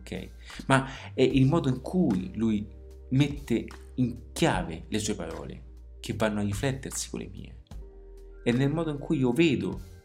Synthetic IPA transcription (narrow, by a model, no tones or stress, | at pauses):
kʰɛ̰j | maɛʔilmɔːd̪oiŋkʰuiluj | met̪ːe | iŋkjaːvelesuepaɾɔ̰ːlḛ | k̟evːanːoarːiflɛt̪ːersi̥ko̰lʔḛmḭːḛ | enːelmɔːd̪oiŋkʰujiːoveːd̪ʊ̰